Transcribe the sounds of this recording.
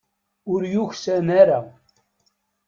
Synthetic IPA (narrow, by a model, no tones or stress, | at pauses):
uɾjuxsɛnɛɾam